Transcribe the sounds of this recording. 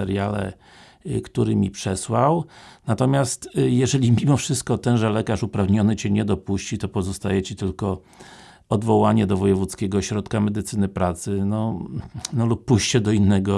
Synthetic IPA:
ɛɾjalɛ̰ | kt̪uɾɘmʲipʂɛswawnat̪ɔmʲjast̪jɛʐɛlʲimʲimɔfʂɘst̪̚kɔt̪ɛnʐɛlɛkaʂupɾavɲɔnɘt͡ɕɛɲɛd̪ɔpuɕt͡ɕit̪ɔpɔzɔst̪ajɛt͡ɕit̪ɘlkɔ | ɔd̪vɔwaɲɛd̪ɔvɔjɛvut̪skʲɛɡɔɕɾɔt̪kamɛd̪ɘt̪sɘnɘpɾat̪sɘnɔ | nɔlupːuɕt͡ɕɛd̪ɔinːɛɡɔ

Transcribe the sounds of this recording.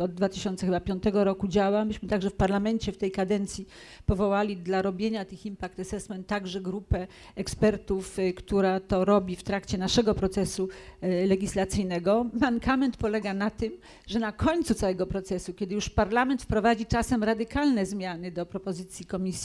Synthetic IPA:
ɔd̪̚ːvat̪ɘɕɔnt̪sɛxɘbapʲjɔnt̪ɛɡɔɾɔkud͡ʑawambɘɕmɘt̪aɡʐɛfpaɾlamɛnt͡ɕɛft̪ɛjkad̪ɛnt̪sʲji | pɔvɔwalʲid̪laɾɔbʲjeɲat̪ɘximpak̚t̪asɛsmɛnt̪ːaɡʐɛɡɾupɛ | ɛkspɛɾt̪ufkt̪uɾat̪ɔɾɔbʲift̪ɾakt͡ɕɛnaʂɛɡɔpɾɔt̪sɛsulɛɡʲislat̪sɘjnɛɡɔmaŋkʰamɛnt̪pɔlɛɡanat̪ɘm | ʐɛnakʰɔɲt̪sut̪sawɛɡɔpɾɔt̪sɛsukʲɛd̪ɘjuʂpaɾlamɛnt̪fpɾɔvad͡ʑit͡ʂasɛmɾad̪ɘkalnɛzmʲjanɘd̪ɔpɾɔpɔzɘt̪sʲjikɔmʲisʲ

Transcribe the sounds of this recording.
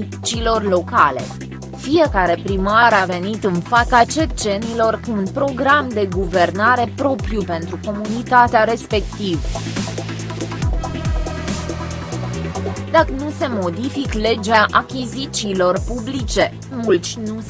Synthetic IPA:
t͡ʃiːlo̞rlo̞kale̞̰ | fije̞kaɾe̞pɾimaɾave̞nit̪ɨnfakat͡ʃet͡ʃe̞nilo̞rkuunpɾo̞ɡɾamd̪e̞ɡuve̞rnaɾe̞pɾo̞pɾjupe̞nt̪ɾuko̞munit̪at̪eaɾe̞spe̞kt̪iv | d̪akənuse̞mo̞d̪ifikle̞d͡ʒaʔakʲizit̪siːlo̞rpublit͡ʃe̞ | mult̪sʲnu

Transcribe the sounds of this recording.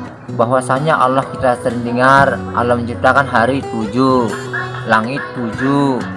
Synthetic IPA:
baɦwasaɲaʔalɔhkit̪asəɾɪŋdəŋara̰lɔməɲt͡ʃip̚t̪akanɦaɾit̪ud͡ʒu | laŋɪt̪̚ːud͡ʒu

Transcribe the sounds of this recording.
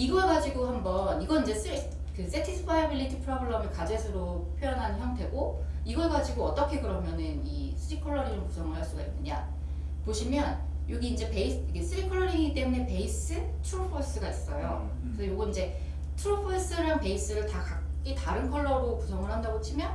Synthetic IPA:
iɡʌeɡad͡ʑiɡohambʌniɡʌind͡ʑe̞s͈ʰɯɾi | kɯs͈e̞tʰisʰpʰajabiɭːitʰipʰɯɾʌbɯɭːʌmɯkad͡ʑesʰɯɾo | pʰjojʌnɦannçjʌŋtʰe̞ɡoiɡʌɭeɡad͡ʑiɡoʌt͈ʌkʰe̞kɯɾʌmjʌnɯni | sʰɯɾikʰʌɭːʌɾiŋɯku̥sʰʌŋɯɭɦaɭs͈uɡain͈ːɯɲa̰ | poɕʰimjʌn | joɡiːnd͡ʑe̞pe̞isikʰes͈ʰɯɾikʰʌɭːʌɾiŋit͈e̞mune̞pe̞is͈ɯ | tʰuɾopʰos͈ɯɡais͈ʌjo̰ | kɯsʰʌjoɡɯind͡ʑe̞ | tʰuɾopʰos͈ɯɾaŋpe̞is͈ɯɾɯɭtakakk͈itaɾɯnkʰʌɭːʌɾokusʰʌŋɯɭɦandaɡot͡ɕʰimjʌn

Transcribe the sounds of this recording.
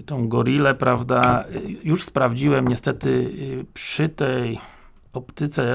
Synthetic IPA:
t̪ɔ̃w̃ɡɔɾʲilɛpɾavd̪ajuʂspɾavd͡ʑiwɛmɲɛst̪ɛt̪ɘpʂɘt̪ɛj | ɔpt̪ɘt̪sɛ

